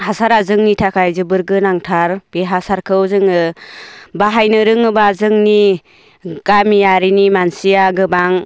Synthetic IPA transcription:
hasaɾazɯŋnitʰakʰajzɯbɯɾɡɯnaŋtʰaɾb̥eɦasaɾkʰɯwzɯŋɯ | baɦajnɯɾɯŋɯbazɯŋni | ɡ̥amijaɾinimansijaɡɯbaŋ

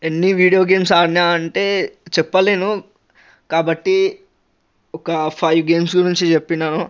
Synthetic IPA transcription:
enːiʋiːɽijoːɡe̞ːmsaːnaːɐɳʈeːt͡ʃɛpːɐleːnu | kaːbɐʈːi | ɔkɐpʰɐjʋɡe̞ːmsɡuɾiɲt͡ʃit͡ʃepːinːaːnu

